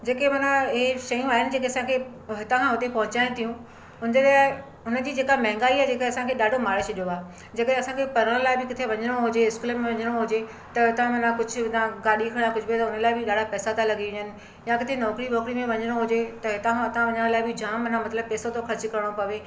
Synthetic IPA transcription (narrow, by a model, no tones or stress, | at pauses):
d͡ʑeːkemɐnãɪeʃɐjũaːɦɪnɪ̆d͡ʑeːkeɐsãkʰe | ɦɪt̪kʰãɦʊt̪epɐ̃ɦʊ̃t͡ɕaːɪ̃t̪ʰijũ | ʊnd͡ʑelaː | ʊnəd͡ʑiːd͡ʑeːkamɐɦɪ̃ŋɡaːiad͡ʑeːkeɐsãkʰeɗaːɖʱomaːɭet͡ɕʰɐɗijoaː | d͡ʑeːkəɗeɐsãkʰepɐɾəɽ̃laːɪbɪkɪt̪ʰeʋɐɲəɽ̃oɦʊd͡ʑeɪskuːləmẽʋɐɲəɽ̃oɦʊd͡ʑe | t̪ɐɦɪt̪ãmɐnakʊd͡ʑʱʊ̆t̪ãɡaːɗikʰɐɽ̃ãkʊd͡ʑʱbt̪ɐʊnə̆laːɪbɪɗaːɖʱapɛːsat̪ʰalɐɠiɪ̃ɲənɪ̆ | jãkɪt̪ʰenɔːkɾiʋɔːkɾimẽʋɐɲəɽ̃oɦʊd͡ʑet̪ɐɦɪt̪ʰãʊt̪ãʋɐɲəɽ̃laːɪbɪd͡ʑaːmːɐnãmɐt̪ləb̚pɛːsot̪ʰoxɐɾt͡ɕkɐɾəɽ̃opɐʋe